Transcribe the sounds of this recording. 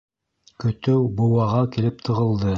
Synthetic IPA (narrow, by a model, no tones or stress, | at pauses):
kɵ̆t̪ɵwbŏwɑʁɑkilɘp̚t̪ʰɤ̆ʁɤ̆lˠd̪ɤ